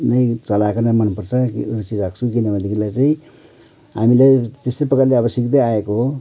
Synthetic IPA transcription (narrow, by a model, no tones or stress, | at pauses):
nʌj̃t͡sʌlakonʌmʌnupʌrt͡sʰʌkirut͡siɾak̚t͡sʰukinʌbʌd̪ikilajt͡saĩ | ɦamilajt̪est̪epʌkaleabʌsjʌkd̪ʌjaekoɦo